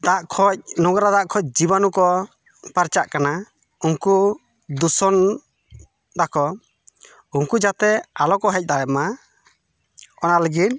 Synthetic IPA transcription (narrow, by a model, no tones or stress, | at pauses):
d̪aʔkʰɔc̚nɔɡɾad̪aʔkʰɔc̚d͡ʒibanukɔ | paɾt͡ʃaʔkana | uŋku | d̪usɔn | d̪akɔ | uŋkud͡ʒat̪ɛalɔkɔɦɛc̚ˀd̪ajɛma | ɔnaləɡit̪̚